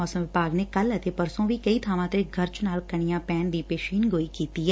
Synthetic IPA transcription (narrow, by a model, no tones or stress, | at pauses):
ɔːsə̃mʋɪpaːɡnekɐlɐt̪epɐɾsõʋʱikɐit̪ʰaːʋãt̪eɡʱɐɾt͡ʃnaːlkɐɽ̃ɪjãːpɛːnd̪iːpeːʃiːnɡoːikiːt̪iɛ